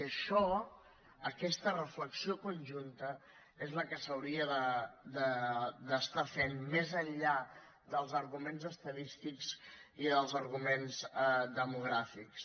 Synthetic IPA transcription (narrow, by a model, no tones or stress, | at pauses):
əʃɔ | əkɛst̪ərəfləksiokunʲʒunt̪ə | ezləkəsəwɾiəðəd̪əd̪əst̪afenmezəʎʎa | d̪əlˠzəɾɣumenzəst̪əðist̪ikz̥iðəlˠzəɾɣumenzd̪əmuɣ̞ɾafiks